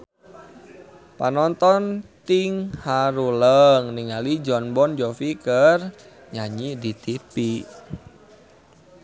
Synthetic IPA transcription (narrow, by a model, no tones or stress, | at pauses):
panɔnt̪ɔnt̪iŋhaɾuləŋniŋalid͡ʒɔnbɔnd͡ʒɔfikər | ɲaɲidit̪ipi